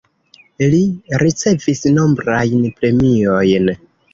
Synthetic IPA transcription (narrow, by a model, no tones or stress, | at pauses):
liɾit͡se̞visnombɾajnpɾe̞mio̞jn